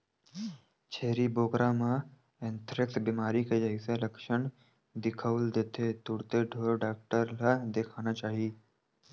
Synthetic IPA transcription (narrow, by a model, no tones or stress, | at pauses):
t͡ʃʰeːɾiboːkɾamã | ẽnt̪ʰɾɪksbimaːɾiked͡ʒəɪselɐkʃəɳ | d̪ɪkʰəld̪eːt̪ʰet̪ʊɽt̪eɖʱoːɾɖaːk̚ʈəɾlad̪ekʰaːnat͡ʃaːɦi